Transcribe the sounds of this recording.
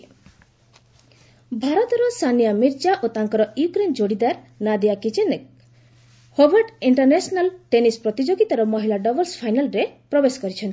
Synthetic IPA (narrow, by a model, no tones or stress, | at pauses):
bʱaɾɔt̪ɔɾɔsanijamiɾd͡ʒaʔot̪aŋkɔɾɔjukɾend͡ʒoɽid̪aɾ | nad̪iakit͡ʃenek̚ | hobaɾɖiɳʈɔɾnesɔnalʈenispɾɔt̪id͡ʒoɡit̪aɾɔmɔɦilaɖɔbɔlspʰajnalɾepɾɔbesɔ̥kɔɾit͡ʃʰɔnt̪i